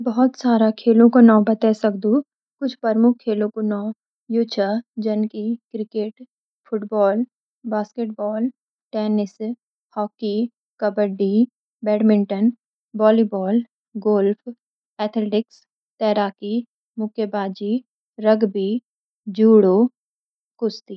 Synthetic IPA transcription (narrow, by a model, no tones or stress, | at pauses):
bɐɦɔt̪saːɾakʰeːlõkonãːbət̪ɛsɐkd̪ũ | kʊt͡ʃʰpəɾmʊkʰkʰːeːlõkonɔ̃ː | juːt͡ʃʰad͡ʒɐnkikɾɪkeːʈ | fʰʊʈbɔːl | baːskeːʈ̚bɔːl | ʈɛːnɪs | hɔːki | kɐbəɖi | bɛːɖmɪ̃ɳʈən | bɔːlibɔːl | ɡoːlfʰ | ɛːt̪ʰleːʈɪks | t̪ɛːɾaːki | mʊkʰjebaːd͡ʒi | ɾəɡbʱiː | d͡ʒuːɽoː | kʊst̪iː